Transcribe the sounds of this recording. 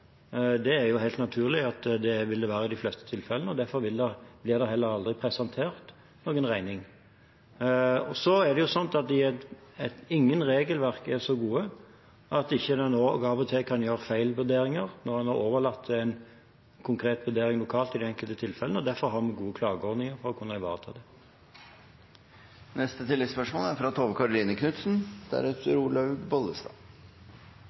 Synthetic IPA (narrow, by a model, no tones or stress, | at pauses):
d̪ɛːɾjʊhæɪlt̪nɑt̪ʰʉːʁlɪɑt̪d̪ɛʋɪld̪ɛʋæːɾəɪd̪æɪflɛst̪ə̥t̪ʰɪlfɛlənəɔd̪æfɔɾʋɪld̪ɛblɪʁd̪ɛhɦɛlːəɾɑld̪ʁɪpʰɾɛsɑnt̪ʰeːɾt̪ | noːɡənʁæɪnɪŋ | ɔsɔæɾd̪ɛjʊsɔnt̪ɑt̪̚d̪ɪæt̪ɛt̪ɪŋːənɾeːɡəlʋæʁkɛʁsɔɡuːə | ʔɑt̪ɪçːəd̪ɛnoːɡɑʋɔt̪ʰekʰɑnjøːɾəfæɪlʋʉɾd̪eːɾɪŋəɾnɔʁɑnɑoːʋəlɑt̪ʰːæɪn | kʰʊŋkʰɾeːt̪ʋʉd̪eːɾɪŋlʊkʰɑːlt̪ɪd̪ɛɛŋkəlt̪ət̪ʰɪlfɛlənəɔd̪æɾfɔɾɦɑʁmɛɡuːəkʰlɑːɡəɔɾd̪nɪŋəʁfɔʁɔkʰʊnːɑɪʋɑ̰ːʁt̪ʰɑ̰ːd̪ɛ | nɛst̪ət̪ʰɪlːɪspœʂmoːlæɾfɾɑt̪ʰoːʋəkʰɑɾʊliːnəkʰnʉt̪sn̩d̪̥æ̰ɾʉːt̪ʰəɾuːlɑʉbɔləst̪ɑː